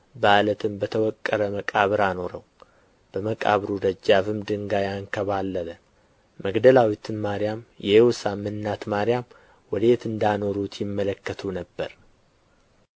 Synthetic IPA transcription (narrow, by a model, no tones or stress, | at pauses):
balət̪ʰɨmbət̪ʰəwɔkʼːəɾəməkʼaβɨɾano̞ɾəw | b̥əməkʼa̰βɾud̪əd͡ʒːaβɨmd̪ɨŋɡajaŋkʰəβalːələ | məɡd̪əlawit̪ʰɨnmaɾjamjɛewsamɨnːat̪maɾɪjam | wɔd̪et̪ɨnd̪ano̞ɾut̪jɪmːələkːət̪ʰunəbːəɾ